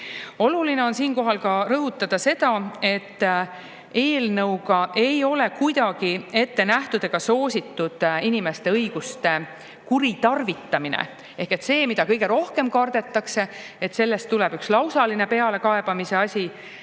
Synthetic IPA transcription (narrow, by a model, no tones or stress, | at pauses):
oluline̞o̞nsiːnko̞ɦɑlkɑɾɤɦut̪ˑːɑd̪̥ɑse̞d̪̥ɑe̞t̪ːˑ | e̞ːlnɤwɡɑʔe̞jo̞le̞kujd̪̥ɑɡ̥ie̞t̪ːe̞næht̪ud̪̥e̞ɡ̥ɑso̞ːsʲit̪ːud̪̥inime̞st̪e̞ɤjɡ̥ust̪e̞ | kuɾit̪ɑrvit̪ːˑɑminḛ | e̞hke̞t̪se̞ːmid̪̥ɑkɤjɡe̞ɾo̞hke̞mkɑrd̪̥e̞t̪ːˑɑkse̞ | et̪se̞lːe̞st̪ːulɛb̥ykslɑwsɑline̞pe̞ɑle̞kɑe̞b̥ɑmise̞ɑsʲi